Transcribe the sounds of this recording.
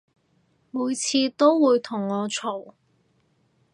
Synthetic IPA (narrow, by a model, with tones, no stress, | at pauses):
muː˨˧jt͡sʰiː˧t̪o˥wwuː˨˧jt̪ʰʊ˨˩ŋːɔː˨˧t͡ʃʰo˨˩w